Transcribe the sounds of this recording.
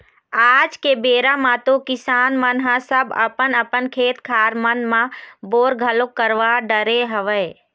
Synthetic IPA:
aːd͡ʒkebeːɾamãt̪okɪsaːnmənɦãsəbə̰pənəpənkʰeːt̪kʰaːɾmənmãboːɾɡʱəlokːəɾʋaɖəɾeɦəʋəɪ

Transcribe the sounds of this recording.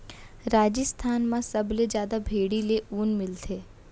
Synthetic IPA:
ɾaːd͡ʒəst̪ʰaːnmãsɐbled͡ʒjaːd̪abʱeːɽileuːnmɪlt̪ʰeː

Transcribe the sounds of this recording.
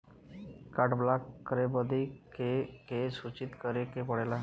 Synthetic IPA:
kaʈblakːəɾebəd̪ikekesut͡ɕit̪kəɾekepəɽela

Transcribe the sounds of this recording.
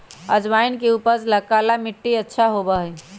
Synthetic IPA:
əd͡ʒʋainkeupəsləkalamiʈːiətːʃʰaɦobəɦj

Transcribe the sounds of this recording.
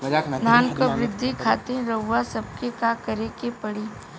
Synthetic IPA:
naːnkoʋɾɪd̪ʱːikʰaːt̪ẽɾɐːasɐb̚kekaːkɐɾekepɐɽiː

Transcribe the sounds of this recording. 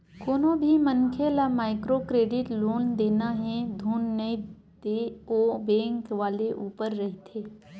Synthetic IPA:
koːnõbʱimɐnkʰelamaːɪkɾokɾeːɖɪʈloːnd̪eːnaɦɛd̪ʱuːnːei | d̪eːoːbɛ̃ːŋkʋaːleʔuːpəɾːɐɦit̪ʰeː

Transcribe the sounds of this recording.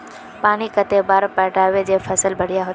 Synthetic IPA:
paːnikət̪ebaːɾpɛːʈaːʋed͡ʒefʰəsəlbəɽ̤ɪjaɦoː

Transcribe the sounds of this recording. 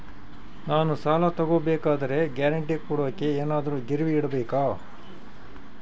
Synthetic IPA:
naːnusaːlɐt̪ɐɡoːbeːkaːd̪ɐɾe̞ɡjaːɾɐɳʈikuːɽoːkːeeːnaːd̪ɐɾuːɡiɾʋiːɽɐbeːkaː

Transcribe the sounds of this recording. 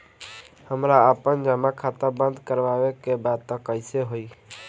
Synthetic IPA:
həmɾaəpənd͡ʒamakʰat̪abə̃nd̪ʱkəɾʋaʋekebad̪̚t̪ɔ̃kəɪseɦoi

